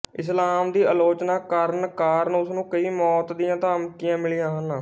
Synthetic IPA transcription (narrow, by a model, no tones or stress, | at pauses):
ɪslaːmd̪iːəloːt͡ʃnaːkəɾnkaːɾənʊsnũːkəiːmɔːt̪d̪ɪjãːt̪ãːəmt̪ɪjãːmɪlijãːɦənː